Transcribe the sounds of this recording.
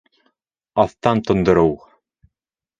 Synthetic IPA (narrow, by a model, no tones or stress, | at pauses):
ɑθt̪ɑnt̪ŏnd̪ŏɾɤw